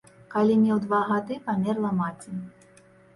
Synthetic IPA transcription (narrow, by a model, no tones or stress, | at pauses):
kalʲimʲɛwd̪vaɣad̪ɨpamʲɛrlˠɐmat͡sʲi